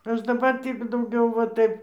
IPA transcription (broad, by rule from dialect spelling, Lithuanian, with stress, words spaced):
ˈɐʃ dɐˈbɐr ˈtʲiː dɐʊˈɡʲɛʊ ʋɐ ˈtɐɪp